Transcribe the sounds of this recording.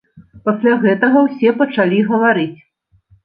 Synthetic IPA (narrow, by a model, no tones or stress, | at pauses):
pasʲlʲaɣɛt̪ɐɣɐwsʲɛpɐt͡ʂalʲiɣɐvaɾɨt͡sʲ